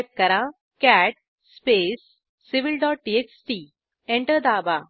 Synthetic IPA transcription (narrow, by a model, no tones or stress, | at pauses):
p̚kəɾa | kæʈ̚ | spesː | iʋilɖɔːʈ̚ʈieksʈi | ẽɳʈəɾd̪aːba